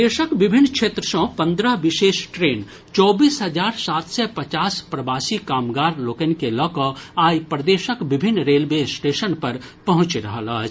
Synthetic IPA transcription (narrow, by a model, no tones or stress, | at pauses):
eːʃəkʋɪbʱɪnːkʃʰeːt̪ɾəʃɔ̃pɐ̃nd̪ɾəbɪʃeːʃʈɾeːn | t͡ʃɔːbiːsɦɐd͡ʒaːɾsaːt̪sɛpɐt͡ʃaːspɾɐbaːsikaːmɡaːɾloːkənkelɔːkəaːjpɾəd̪eːʃəkʋɪbʱɪnːɾeːlbeːsʈeːʃənpɐɾpɐɦʊ̃t͡ʃɾɐɦəla